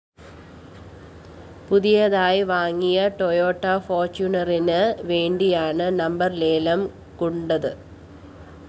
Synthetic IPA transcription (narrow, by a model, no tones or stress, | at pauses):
puðijɐðaːjiʋaːŋːijɐʈojoːʈːɐfoːrt͡ɕunɐrinɨʋe̞ːɳɖijaːɳɨnɐmbɐrleːlɐm | kuɳɖɐðɨ